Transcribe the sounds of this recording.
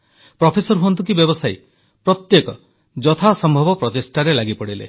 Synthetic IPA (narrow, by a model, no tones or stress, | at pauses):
pɾɔpʰesɔɾɦuɔnt̪ukibjɔbɔsaj | pɾɔt̪jekɔ | d͡ʒɔt̪ʰasɔmbʱɔbɔpɾɔtesʈaɾelaɡipɔɽilḛ